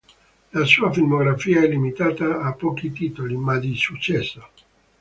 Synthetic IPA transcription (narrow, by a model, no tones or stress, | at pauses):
lasuːafilmoɡɾafiːaɛlːimit̪aːt̪aːpːɔːkit̪iːt̪olimad̪isut͡ʃːɛsːa